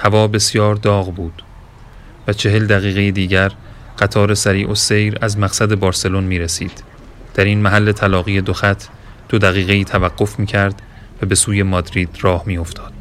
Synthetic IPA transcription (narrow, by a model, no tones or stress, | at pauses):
hævɒːbe̞sjɒːɾd̪ɒːɣbuːd̪̥ | væt͡ʃʰe̞ɦe̞ld̪æɣiːɣe̞jed̪iːɟæɾ | ɢ̥æt̪ʰɒːɾe̞sæɾiːʔo̞se̞jɾæzmæɣsæd̪e̞bɒːɾse̞lonmiːɾesiːd̪̥ | d̪̥æɾinmæɦælːe̞t̪ʰælɒːɣije̞d̪oxæt̪ʰ | d̪̥o̞d̪æɣiːɣe̞iːt̪ʰævæɢːo̞fmiːcʰæɾd̪ | væbe̞suːje̞mɒd̪ɾiːd̪̥ɾɒːhmiːo̞ft̪ʰɒːd̪̥